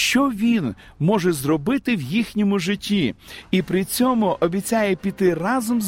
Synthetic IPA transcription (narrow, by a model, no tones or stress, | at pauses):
ʃt͡ʃɔʋʲin | mɔʒɛzrɔbɪt̪ɪwjixnʲɔmʊʒɪtʲːiipɾɪt͡sʲɔmʊʔɔbʲit͡sʲajɛpʲit̪ɪrɑzɔmz